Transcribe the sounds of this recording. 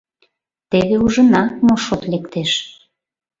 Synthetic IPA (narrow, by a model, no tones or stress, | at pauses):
t̪eβeuʒə̆nɑmoʃot̪lekt̪eʃ